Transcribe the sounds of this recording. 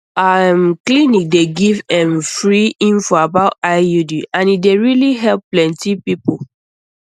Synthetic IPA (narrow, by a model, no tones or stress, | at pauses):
ãmklinik̚deɡivɛ̃mfɹiĩnfɔabaʊtaɪjudiãnideɹiliɦɛlppːlɛ̃ntipipol